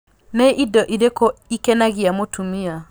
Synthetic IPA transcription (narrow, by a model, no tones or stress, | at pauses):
neʔidɔʔiɾekɔikɛnaɣiamotʰumia